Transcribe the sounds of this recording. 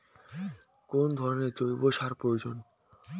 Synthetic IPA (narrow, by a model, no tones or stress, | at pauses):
kond̪ʱɔɾoneɾt͡ɕojboʃaɾpɾojod͡ʑon